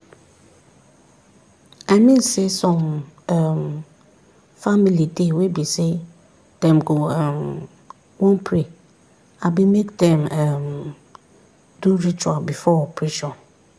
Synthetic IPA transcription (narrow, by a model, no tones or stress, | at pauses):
amĩnsesɔ̃mɛm | familidewebise | d̥ɛ̃mɡɔɛm | wɔ̃npʰɾe | abimekdɛ̃mɛm | duɹit͡ʃualbifɔpʰɹiʃɔ